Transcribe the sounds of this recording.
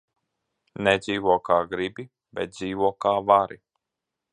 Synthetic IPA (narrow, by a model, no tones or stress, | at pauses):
nɛd̪ziːvuɔkaːɡɾibi | bɛt̪̚d̪ziːvuɔkaːvaɾi